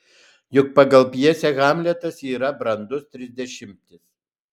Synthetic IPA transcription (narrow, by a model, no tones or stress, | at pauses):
jʊk̚pɐɡɐlˠpʲjiɛsʲɛɣɑːmʲlʲɛt̪ɐsiːɾɐbɾɐnd̪ʊst̪ʲɾʲɪzʲd̪ʲɛʃʲɪmʲt̪ʲɪs